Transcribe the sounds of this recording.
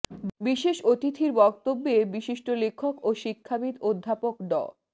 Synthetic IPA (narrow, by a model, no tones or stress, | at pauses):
biʃeʃot̪it̪ʰiɾbɔk̚t̪obːebiʃiʃʈolekʰːokoʃikʰːabid̪od̪ʱːapokɖɔ̰